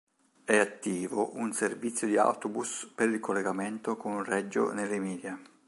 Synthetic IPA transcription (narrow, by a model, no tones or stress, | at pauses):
ɛat̪ːiːvoʔunservit̪sːjod̪ia̰wt̪obuspeɾikolːeɡament̪okonunrɛd͡ʒːo̰nelːɪmiːd̪ja